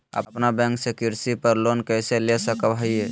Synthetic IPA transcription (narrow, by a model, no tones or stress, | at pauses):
ə̰pnabɛ̃ŋksẽkiɾsipəɾlonkəjselesəkəbɦəje